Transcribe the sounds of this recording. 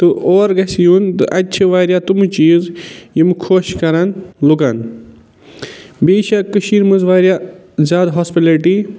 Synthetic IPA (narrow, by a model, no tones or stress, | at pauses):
t̪ɨʔoːɾɡɐsjunt̪ɨ̰ʔɐt͡ʃʰiʋaːɾjat̪umut͡ʃiːzjimkʰoːʃkɐɾanlukan | biːʃakːɨʃiːɾmɨzʋaːɾjaː | zʲjaːd̪ɦospileʈi